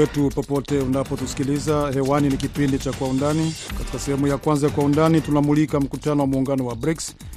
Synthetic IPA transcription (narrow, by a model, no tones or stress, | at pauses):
ɛtupɔpɔtɛunapɔtusi̥kilizahɛwaninikipindit͡ʃakwaundanikati̥kasɛhɛmujakwanzajakwaundanitunamulikam̩kutanɔwamuːŋɡanɔwabɾiks